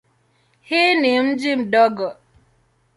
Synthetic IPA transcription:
hinim̩d͡ʒim̩dɔɡɔ

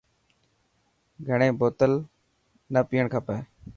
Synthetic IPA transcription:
ɡʱəɳẽːboːt̪əl | nəpiːəɳkʰaːpəː

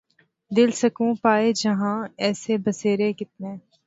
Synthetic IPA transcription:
d̪ɪlsɐkũpaːed͡ʒɐɦãɛːsebɐseːɾekɪt̪̚nẽː

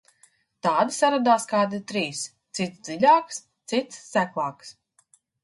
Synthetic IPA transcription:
t̪aːd̪isaɾad̪aːskaːd̪it̪ɾiːst̪sit̪sd̪zilʲaːks | t̪sit̪sːæklˠaːks

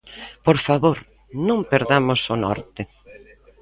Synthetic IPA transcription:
poɾfaβoɾ | nõmpeɾðamʊsonɔ̰ɾt̪ɪ

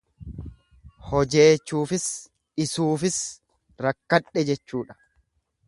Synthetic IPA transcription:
hɔd͡ʒe̞ːt͡ʃːuːfɪs | ʔɪsuːfɪs | ɾɐkːɐᶑɛd͡ʒɛt͡ʃːuːᶑɐ̥

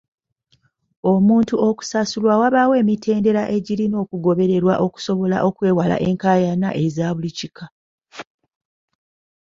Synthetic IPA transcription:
omuːntuo̞ku̥sasulwawaβawe̞ːmitʰe̞ːnde̞ɾaʔe̞ɟiɾino̞ːkuɡo̞βe̞ɾe̞ɾwaʔo̞ku̥so̞βo̞la̰ʔo̞kwe̞ːwala̰ʔe̞ŋkaːjana̰ʔe̞zaːβulicika

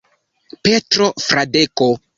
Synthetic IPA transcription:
petɾofɾadeko

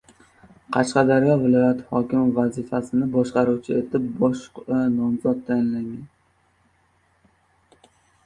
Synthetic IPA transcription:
qʰɑʃqɑd̪aɾjɒvɪlˠɒjat̪hɒkʲɪmvazɪfasɪnɪbɒʃqɑɾuwt͡ʃʰɪet̪ʰɪp̚bɒʃnɒmzɒt̪ːʰajɪnlaŋan

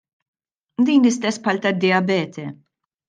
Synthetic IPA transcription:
d̪iːnlɪst̪ɛsːpħɐlt̪ɐd̪ːɪjɐbɛːt̪ʰɛ

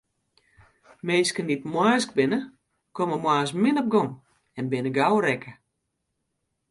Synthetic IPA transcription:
meːskənitmwaːsk̚bɪnə | koməmwaːsmɪnɔp̚ɡɔn | ɛnbɪnəɡawɾɛkʰə

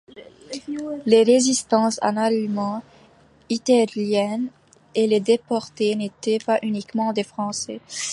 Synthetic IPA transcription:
leʁezist̪ɑ̃sa̰nalmɑ̃ | it̪aljɛn | eled̪epɔʁt̪enet̪ɛpaʔynikmɑ̃d̪efχɑ̃sɛ

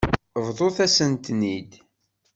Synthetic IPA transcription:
vðˤoθæsənt̪nid̪

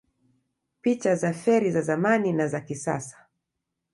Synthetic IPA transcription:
pit͡ʃazafɛɾizazamaninazakisasḁ

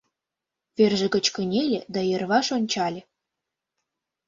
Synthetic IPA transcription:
βerʒĕɡə̆t͡ɕkə̆nʲelʲed̪ɑjɤ̆rβɑʃonʲt͡ɕɑlʲĕ

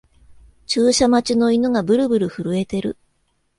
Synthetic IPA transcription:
t͡ɕɨːɕamat͡ɕino̞inoɡabɯ̟ɾɯ̟bɯ̟ɾɯ̟ɸɯ̟ɾɯ̟e̞t̪e̞ɾɯ̟̰

